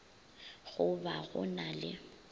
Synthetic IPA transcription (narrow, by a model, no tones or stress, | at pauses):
ɣʊbaɣʊ̰nalɪ